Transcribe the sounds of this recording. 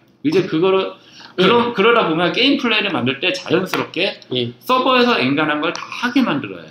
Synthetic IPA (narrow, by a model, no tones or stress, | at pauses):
id͡ʑe̞kɯɡʌɾɯɭ | kɯɾʌmkɯɾʌdabomjʌnk̬͈e̞impʰɯɭːe̞iɾɯɭmandɯɭt͈e̞t͡ɕa̰jʌns͈ʰɯɾʌp̚k͈e̞js͈ʌbʌe̞sʰʌeŋɡanɦanɡʌɭtahaɡe̞mandɯɾʌ̰j̰o